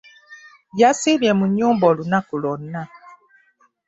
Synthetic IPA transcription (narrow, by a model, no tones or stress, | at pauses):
jasibiɛmuɲubɔlunakulɔnna